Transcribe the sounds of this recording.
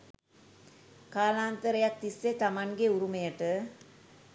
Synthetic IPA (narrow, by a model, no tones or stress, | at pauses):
kaːlaːnt̪əɾəjak̚t̪isːet̪amaŋɡeuɾumejəʈə